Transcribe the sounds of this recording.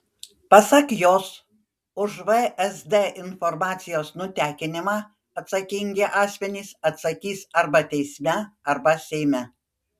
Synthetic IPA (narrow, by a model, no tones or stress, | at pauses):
pɐsɐkjoːs | ʊʒʋɛɛsd̪eʔɪnfɔɾmɑːt̪sʲɪjoːsnʊt̪ʲæːkʲɪnʲɪmɑː | ɐt̪sɐkʲɪŋʲɡʲeʔɑːsʲmʲɛnʲiːsɐt̪sɐkʲiːsɐɾbɐt̪ʲɛɪsʲmʲɛɐɾbɐsʲɛɪmʲɛ